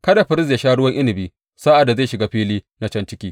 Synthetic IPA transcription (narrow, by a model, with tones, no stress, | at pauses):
kɐ˦da˨ɸɪ˨ɾɪ˦s̬ja˨˦ʃaː˦ɽʊ˦wɐ˦ŋʔɪ˦nɪ˨bi˦ | saː˦ʔa˨dːa˨zeː˦˨ʃɪ˨ɡaː˦ɸiː˦liː˦na˨˦t͡ʃɐ˦nt͡ʃɪ˦kʲiː˦